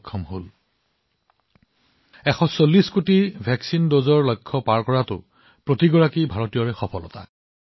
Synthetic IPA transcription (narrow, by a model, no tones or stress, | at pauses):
kʰːɔmɦol | ɛxɔsolːiskutibʱɛksindozɔɹlojkʰːɔpaɹkɔɹatʊ̰ | pɹotiɡɔɹakibʱaɹɔtijɔɹɛxɔpʰɔlɔ̰ta̰